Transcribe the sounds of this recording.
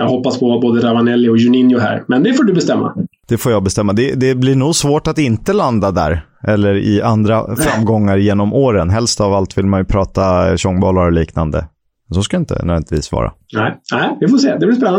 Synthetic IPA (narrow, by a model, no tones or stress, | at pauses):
jɑːɡɦɔpːaspʰɔvaboːd̪əɾavanɛlːɪɔjɵnɪnjʊɦæ̰ːɾmɛnd̪ɛfoːɖɵbɛst̪ɛmːa̰d̪̥ɛfoːjɑːbɛst̪ɛmːad̪ɛd̪ɛblɪɳuːɡsvoːʈat̪ɪnt̪əland̪ad̪æ̰ːɾ | ʔɛlːəɾɪ̰ʔand̪ɾa̰ffɾamːɡɔŋːaɾjeːnɔmʔoːɾənɦɛlst̪avalt̪vɪlmanjɵpʰɾɑːt̪aɕɔŋːbɑːlaɾɔliːkna̰nd̪ə̰ | mɛnsɔskaɪnt̪ə̰nœ̰vɛnt̪vḭːsvɑ̰ːɾa̰næɪnæɪvɪfoseːd̪ɛblɪɾspɛnːa